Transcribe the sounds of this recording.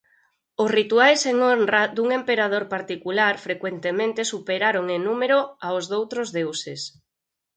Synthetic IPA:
ʊsrit̪uajseŋonrad̪uŋempeɾað̞oɾpaɾt̪ikulaɾfɾekwent̪emẽnt̪esupeɾaɾoŋenumeɾoaozðowt̪ɾozðewses

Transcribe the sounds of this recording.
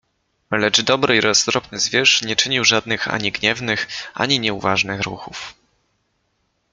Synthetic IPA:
lɛd͡ʐd̪ɔbɾɘiɾɔst̪ɾɔpnɘzvʲjɛʂɲɛt͡ʂɘɲiwʐad̪̚nɘxa̰ɲiɡɲɛvnɘxʔa̰ɲiɲɛuvaʐnɘxɾṵxuf

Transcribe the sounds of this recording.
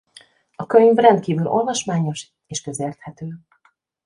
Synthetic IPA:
ɒkøɲvrɛnt̪̚kiːvyːlo̞̰lvɒʃmaːɲo̞ʃ | eːʃkø̞zeːrt̪hɛt̪øː

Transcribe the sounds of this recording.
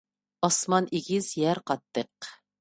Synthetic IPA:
ɑsmɑniɡʲiz̥jɛɾqɑt̪ːəq

